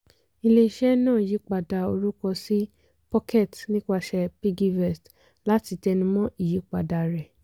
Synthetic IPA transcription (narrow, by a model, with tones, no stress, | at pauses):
i˧le˧ʃɛ˦nãː˦˨ji˨˦k͡pa˧˨da˧o˧ɾu˦kɔ˧si˦ | pɔ˦kɛ˦˨tnĩ˦ka˧˨ʃɛ˧pi˦ɡi˧vɛ˦˨st | la˦ti˧tɛ˧nũ˧˦mɔ̃˦i˦˨ji˨˦k͡pa˨da˨ɾɛ˨